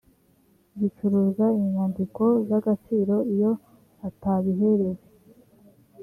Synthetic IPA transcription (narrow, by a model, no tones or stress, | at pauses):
ɡit͡ʃuɾuːzaiɲandiko̞zaɡat͡ʃiːɾo̞ijo̞ | ataβiɦe̞ɾe̞ɾe